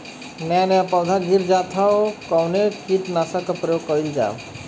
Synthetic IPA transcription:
nɛnɛapɔd̪ʱaɡiɾd͡ʒat̪ʰawkɔwnekit̪nasakɔpɾjokːɔjld͡ʒa̰

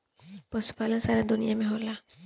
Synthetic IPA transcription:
pɔsu̥palãnsaɾad̪unijamẽɦola

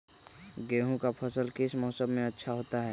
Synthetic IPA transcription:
ɡeːɦũkapʰɐsəlkɪsmɔːsəbmẽɐtːʃʰaɦoːt̪aɦɛː

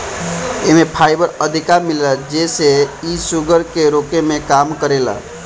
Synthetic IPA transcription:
emepʰajbəɾəd̪ʱikamiləd͡ʒeseisuɡəɾkeɾokemekamkəɾela̰

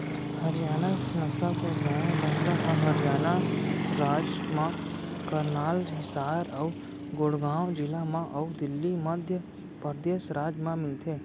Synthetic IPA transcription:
hɐɾjaːnanɐsakobaːbɐ̃t̪aʔəɦɐɾjaːnaɾaːd͡ʒmãkɐɾnaːlɦɪsaːɾɐw | ɡoɽɡaːwd͡ʒɪlamãʔɐud̪ɪlːimɐd̪ʱjə | pəɾd̪eːʃɾaːd͡ʒmãmɪlt̪ʰeː

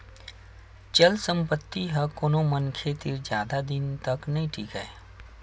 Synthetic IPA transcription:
t͡ʃəlsə̃mpət̪ːiɦɐkoːnomənkʰet̪ɪɾd͡ʒjaːd̪ad̪ɪnt̪ɐknɐɦĩʈʰiːkəeː

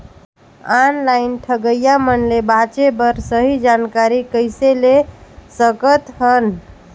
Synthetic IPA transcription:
anlajnʈʰəɡəjamənlebat͡ʃebəɾsəɦid͡ʒankaɾikəjselesəkət̪ɦən

